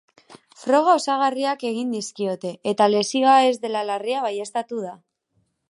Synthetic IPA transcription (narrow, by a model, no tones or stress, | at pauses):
fɾo̞ɣ̞ao̞saɣ̞ariake̞ɣ̞ind̪iskio̞t̪e̞et̪ale̞sioae̞zðe̞lalariaβaje̞st̪at̪uða